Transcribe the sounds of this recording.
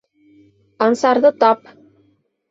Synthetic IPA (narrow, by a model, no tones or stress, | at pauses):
ɑnsɑɾðɤt̪ɑp